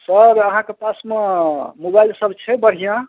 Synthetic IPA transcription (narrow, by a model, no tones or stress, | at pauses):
səɾəɦãkepasmemobajlsəbʱt͡ʃʰɛbəɽ̤ijã